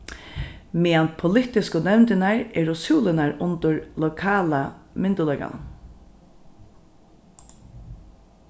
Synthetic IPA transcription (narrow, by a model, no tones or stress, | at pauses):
mɛːant̪̚pʰʊlɪt̪ɪskʊnɛvnt̪ɪnaɹɛɾʊsuːlɪnaɹʊnt̪ʊɹlɔkʰaːlamɪnt̪ʊlɛjka̰n̰